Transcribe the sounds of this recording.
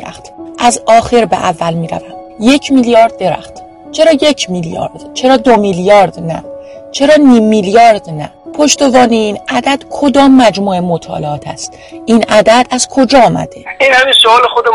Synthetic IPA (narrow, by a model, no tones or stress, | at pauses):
ɾæ̰xt̪ʔæzɒːxe̞ɾbḛʔævːælmiːɾæ̰væmje̞cʰmiljɒːɾd̪ːe̞ɾæ̰xt̪ | t͡ʃʰe̞ɾɒːjecʰmiljɒ̰ːɾd̪̥t͡ʃʰe̞ɾɒːd̪omiljɒːɾd̪næ̰t͡ʃʰe̞ɾɒːniːmːiljɒːɾd̪næ̰ | pʰo̞ʃt̪evɒːneinæd̪æd̪̥kʰo̞d̪ɒːmːæd͡ʒmuːe̞mot̪ʰɒ̰ːleɒːt̪ʰæ̰st̪ | ʔinæd̪æd̪ʔæz̥kʰo̞d͡ʒɒːɒːmæ̰d̪̥e̞inhæminsoɒːlexod̪e